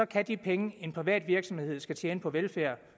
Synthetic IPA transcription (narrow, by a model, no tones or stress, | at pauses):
ɒ̽kʰæd̥ipʰeŋəe̝npʰʁiʋɛ̰ːd̥ʋiɐɡ̥sɒ̽mhehe̝ð̞̰ˠsɡ̥æt͡ɕʰjeːnəpʰɒ̽ʋelfæɐ̰